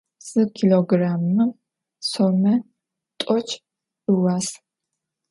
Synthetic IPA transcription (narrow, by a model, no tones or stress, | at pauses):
sɨkʰiloɡraːmːɨ | sɔmɐ | t̪ʼɔt͡ʃʰʼ | ɨwaːs